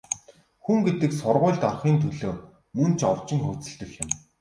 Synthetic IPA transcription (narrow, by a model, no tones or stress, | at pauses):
xuŋɡet̪ɘ̆ksʊrʁʊːɮt̪ɔrχiːnt̪ʰɵɮoː | mɵnt͡ɕʰɔw̥t͡ɕɪ̆ŋxɵt͡sɘ̆ɬt̪ɵ̆ɮɪ̆m